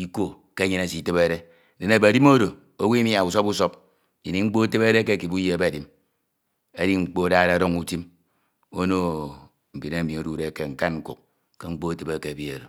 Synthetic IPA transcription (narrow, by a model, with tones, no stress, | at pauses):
i˦ko˦ | ke˦ɲi˦ne˨si˨te˦be˦ɾe˦˨ | de˨ne˨ba˨di˦mo˦ɾo˨ | o˦wi˦m˦a˨u˨so˦bu˦so˦p | i˨ni˨ŋ͡m̩˦k͡po˦te˦be˦ɾe˦ke˦˨ki˨bu˦je˦e˦ba˨di˦m | e˦di˦ŋ͡m̩˦k͡po˦da˦ɾa˨ɾo˦ŋu˦ti˦m | o˦no˦ | m̩˨bi˨ne˦˨mi˨o˨du˦ɾe˨˦˨ke˦ŋ̩˨ka˦nŋ̩˦kṵ˨k̚ | ke˦ŋ͡m̩˦k͡po˦˨te˦be˨ke˨bi˦e˨ɾo˨